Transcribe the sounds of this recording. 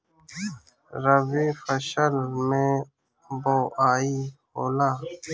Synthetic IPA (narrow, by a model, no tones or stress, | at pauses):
ɾəʋeːfəʃəlmẽː | boːʔaːiːhoːlaː